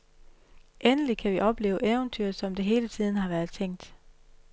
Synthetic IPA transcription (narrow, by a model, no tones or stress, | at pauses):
ʔenəlikʰæʋiʔɒ̽b̥le̝ːʊʔeʊnt͡sʰyɐ̰sɒ̽md̥e̝ɦe̝ːlət͡sʰið̞̰ˠn̩ɦɑ̈ʋæɐð̞ˠt͡sʰeŋ̰d̥